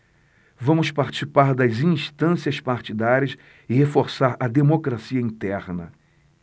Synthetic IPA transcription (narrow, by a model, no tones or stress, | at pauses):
vɐ̃mʊspaɾt͡ʃi̥sipaɾd̪ɐzĩst̪ɐ̃siɐspaɾt͡ʃid̪aɾʲjɐs | ɪhefoɾsaɾɐd̪emokɾasiɐĩnt̪ɛɾnɐ̰